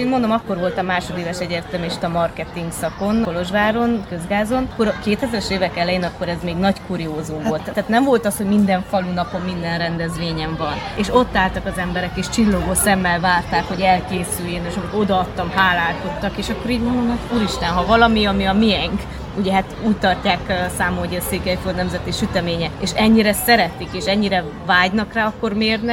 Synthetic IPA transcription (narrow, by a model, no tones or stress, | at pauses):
eːnmond̪o̞mɒkːo̞rvo̞lt̪ɒmːaːʃo̞d̪eːvɛʃɛɟeːrt̪ɛmeːʃt̪ɒmɒrkɛt̪iŋɡsɒko̞nolo̞ʒʋaːɾo̞nkø̞zɡaːzo̞nkːoɾɒkeːt̪ɛzɛɾɛʃeːvɛkɛlɛjeːnɒkːo̞ɾɛzmeːɡnɒckuːɾijoːzumvo̞lt̪ːaːt̪nɛɱvo̞lt̪ɒshoɟmind̪ɛɱfɒlunɒpo̞mːind̪ɛnrɛnd̪ɛzʋeːɲɛɱvɒneːʃo̞t̪ːaːlt̪ɒkɒzɛmbɛɾɛkeːʃt͡ʃilːo̞ɡosɛmːɛlvaːrt̪aːkho̞ɟɛlkeːsyjːeneːʃɒmiko̞d̪ɒɒt̪ːɒmhaːlaːlt̪ot̪ːɒkeːʃɒkːo̞ɾiːɟmolomat̪uːɾiʃt̪ɛnɦɒvɒlɒmiɒmiɒmiɛŋk | uɟɛɦat̪uːct̪ɒcːaːksaːmooɟɛseːkɛfot̪nɛmzɛt̪iʃyt̪ɛmeːɲɛeːʃɛɲːiɾɛsɛɾɛt̪ikeːʃɛɲːiɾɛ | vaːɟnɒkraːɒkːormeːrnɛ